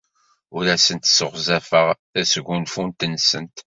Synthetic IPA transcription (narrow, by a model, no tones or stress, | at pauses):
ʊɾæsənt̪səʁzæfəʁθæsɡʷunfunt̪ənːsə̰nt̪